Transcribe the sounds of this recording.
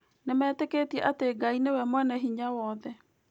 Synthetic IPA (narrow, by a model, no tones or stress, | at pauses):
nemɛːteketiɛʔateɡainewɛmwɛnɛɦiɲawɔðɛ